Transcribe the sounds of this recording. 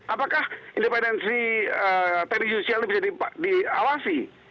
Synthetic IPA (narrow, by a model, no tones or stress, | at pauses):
apakahindɛpɛndɛnsiət̪aɾisosialnibisadipadiawasi